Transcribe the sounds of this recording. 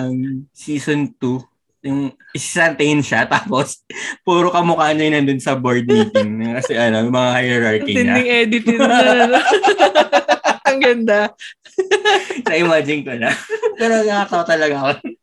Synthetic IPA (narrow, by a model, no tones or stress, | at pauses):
ɐŋsiːsont̪u | jʊŋ | ʔɪsisɐnt̪ejnʃat̪aːpospuːɾokɐmʊkaːnɐjnɐnd̪onsɐboɹd̪̚niːt̪ɪŋnɐkɐsɛʔɐno̞jmɐŋahajɛɾaɹkɪɲɪnɐ̰d̪ɪŋɛːd̪ɪt̪ɪno | ɐŋɡɐnd̪a | sɐʔɪmaːd͡ʒɪnkɐlɐpɛːɾonɐŋat̪ɐwt̪ɐlɐɡako